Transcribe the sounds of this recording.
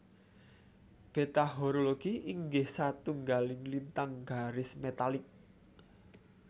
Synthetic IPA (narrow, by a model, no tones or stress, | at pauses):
b̥e̤t̪aɦoɾoloɡ̥iʔiŋɡɪhsat̪uŋɡalɪŋlint̪aŋɡ̥aɾɪsmet̪alɪk̚